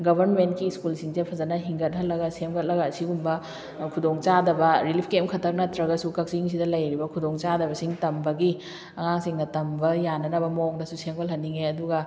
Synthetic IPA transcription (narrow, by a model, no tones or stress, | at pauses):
ɡɐbʱɐɾnmentkiskulsiŋzepʰɐzɐnɐɦiŋɡɐt̚hɐlɐɡɐsemɡɐt̚lɐɡɐːsiɡumbɐ | kʰudoŋt͡ʃadɐbɐɾilipʰkemkʰɐtʰɐk̚nɐtɾɐɡɐsukɐk̚siŋsidɐlɐjɾibɐkʰudoŋt͡ʃadɐbɐsiŋtɐmbɐɡi | ɐŋaŋsiŋnɐtɐmbɐjanɐnɐbɐmok̚dɐsuseŋolɦɐnːiŋeɐduɡɐ